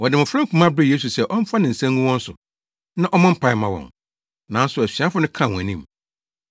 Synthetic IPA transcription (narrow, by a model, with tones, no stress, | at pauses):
wɔ˨dɪ˨mʊ̃˨fɾɛ̃˦kʰũ˨˦mã˦bɾɪ˦je˦s̬u˨sɛ˦˨ʔɔ˦m̩˦fa˦nɪ̃˨n̩˨sæ̃˦ŋɡũ˦wɔ̃˦n̩˦sʊ˨ | nã˦ʔɔ˦mã˦m̩˦pʰa˨ɪ˨mã˨wɔ̰̃˨n | nã˨n̩˦sʊ˨æ˨si˨a˦fʊ˦nʊ̃˦kʰã˦˨wɔ̃˨nĩ˦m